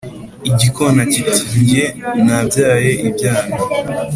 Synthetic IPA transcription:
iɟikʰonacitiːɲɟe̞nabjaːje̞ʔibjaːna

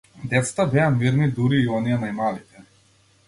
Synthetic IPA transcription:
d̪ɛt̪sḁt̪abɛamiɾnid̪uɾiːɔnijɛnajmalit̪ɛ

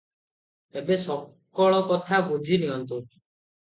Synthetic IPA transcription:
ebesɔ | kɔɭɔkɔt̪ʰabud͡ʒʱiniɦɔnt̪u

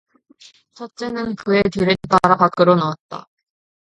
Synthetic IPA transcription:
t͡ɕʰʌt̚t͡ɕ͈e̞nɯnkɯe̞tuɾenpaɾapak͈ɯɾonawat̚t͈a̰

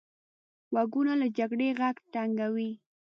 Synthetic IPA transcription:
waɡʊnalad͡ʒaɡɽeɣaɡtaŋɡawi

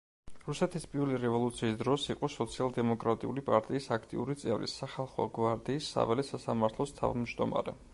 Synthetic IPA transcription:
ɾusɛt̪ʰispʼiɾliɾɛvɔlˠut̪sʰiːsd̪ɾɔsiqʼɔsɔt̪sʰialˠd̪ɛmɔkʼɾat̪ʼiulipʼaɾt̪ʼiːsakʰt̪ʼḭuɾit̪sʼɛvɾḭsaχalˠχɔ̰ɡvaɾd̪iːsːa̰vɛlɛsasamaɾt̪ʰlˠɔst̪ʰa̰vmd͡ʒd̪ɔma̰ɾɛ̰

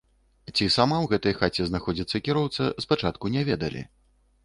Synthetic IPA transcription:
t͡sʲisamawɣɛt̪ɐjxat͡sʲɛznaxɔd͡zʲit̪sːɐkʲiɾɔwt̪sɐspat͡ʂat̪kunʲɛvʲɛd̪ɐlʲḭ

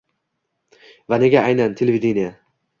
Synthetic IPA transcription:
vane̞ɡʲaajnant̪ʰelevid̪enija

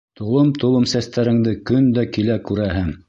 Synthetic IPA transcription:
t̪ŏlˠomt̪ŏlˠomsæst̪æɾɘ̆ŋd̪ɘkɵnd̪ækilækʉɾæɦɘŋ

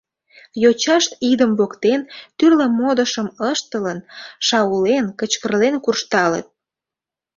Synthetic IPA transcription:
jot͡ɕɑʃt̪id̪əmbokt̪ent̪yrləmod̪əʃəməʃt̪ələnʃɑwulenkət͡ɕkərlenkurʃt̪ɑlḛt̪̚

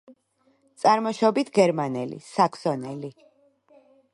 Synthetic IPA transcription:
t̪sʼaɾmɔʃɔbit̪ʰɡɛɾmanɛlḭsakʰsɔnɛli

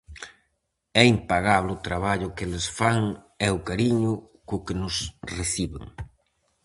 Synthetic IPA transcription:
ɛimpaɣaβleʊt̪ɾaβaʎʊkelesfaŋ | ɛʊkaɾiɲʊ | kʊkɪnʊsreθiβḛŋ

